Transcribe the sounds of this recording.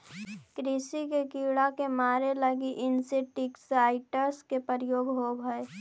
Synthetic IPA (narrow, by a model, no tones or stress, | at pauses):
kɾisikekiːɽakemaːɾeləɡiʔɪnseʈiksaːɪʈəɾskepəɾjoːɡɦobʱəe